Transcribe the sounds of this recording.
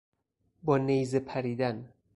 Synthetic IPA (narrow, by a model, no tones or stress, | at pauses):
bɒːnejzepʰæɾiːd̪æn